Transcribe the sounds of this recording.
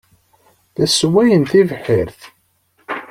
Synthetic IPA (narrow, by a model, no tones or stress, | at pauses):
θæswæjənθivħiɾθ